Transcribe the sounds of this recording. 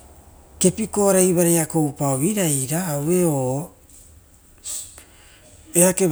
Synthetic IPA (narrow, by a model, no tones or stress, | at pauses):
ke̞piko̞aɾajβaɾejako̞wpaoβiɾajɾaːwe̞o | eake